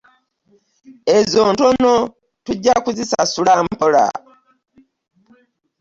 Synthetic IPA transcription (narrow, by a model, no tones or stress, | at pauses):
ezoːntono̞ | tuɟːakuzisasulaːmpola̰